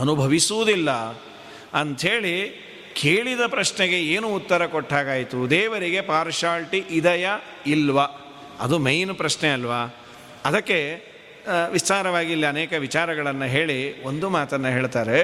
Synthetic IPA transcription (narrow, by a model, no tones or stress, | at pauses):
ɐnubʱɐʋisuʋud̪ilːɐ | ɐnt̪ɦe̞ːɭi | kʰeːɭid̪ɐpɾɐʂnɛɡe̞eːnuːt̪ːɐɾɐkoʈːaːɡaːjit̪ud̪ɛːʋɐɾiɡe̞paːɾʃaːlʈiʔid̪ɐjɐ | ilʋɐ | ɐ̰d̪umejnpɾɐʃneɐlʋaː | ɐd̪ɐkːe̞ | ʋist̪aːɾɐʋaːɡilːiɐnɛːkɐʋit͡ʃaːɾɐɡɐɭɐnːɐɦe̞ːɭio̞nd̪umaːt̪ɐnːɐɦeːɭt̪aːɾe̞